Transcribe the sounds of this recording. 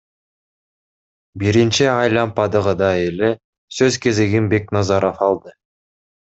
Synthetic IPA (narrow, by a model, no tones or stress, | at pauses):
biɾint͡ʃiɑjlˠɑmpɑd̪ɯʁɯd̪ɑele | søzke̞zeɡinbe̞knɑzɑɾofɑlˠd̪ɯ